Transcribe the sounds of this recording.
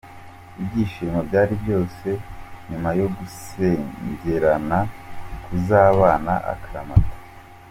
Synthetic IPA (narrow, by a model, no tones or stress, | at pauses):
ibɟiːʃiːmabɟaːɾibɟo̞ːse̞ɲumajo̞ɡuseɲɟe̞ɾanakʰuzaːβaːna̰ʔa̰kʰaɾamatḁ